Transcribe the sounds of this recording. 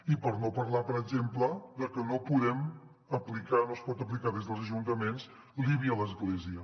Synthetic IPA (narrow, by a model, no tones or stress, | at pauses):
ipəɾnopəɾlapəɾəɡʒempləðəkənopuðɛm | əplikanospɔt̪əp̬likaðezðəlˠzəʒunt̪əmenz | liβiələzɣleziə